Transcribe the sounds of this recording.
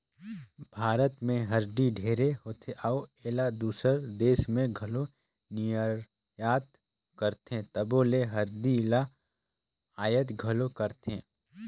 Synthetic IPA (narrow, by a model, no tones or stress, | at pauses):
bʱaːɾət̪mẽɦəɾd̪iɖʱeːɾeɦoːt̪ʰeʔaweːlad̪uːsəɾd̪eːʃmẽɡʱɐlo | nijəɾ | jaːt̪ | kəɾt̪ẽt̪əboːleɦəɾd̪ila | aːjət̪ɡʱəlokəɾt̪ẽː